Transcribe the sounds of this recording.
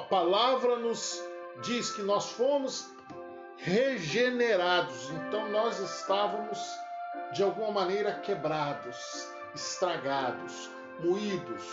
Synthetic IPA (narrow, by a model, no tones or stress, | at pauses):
ɐpalavɾɐnʊz | d͡ʒiskɪnɔsfomʊs | heʒeneɾad̪ʊsẽnt̪ɐ̃w̃nɔzɪst̪avɐmʊzd͡ʒɪawɡũmɐmɐ̃nejɾɐkebɾad̪ʊs | ɪst̪ɾaɡad̪ʊs | muid̪ʊs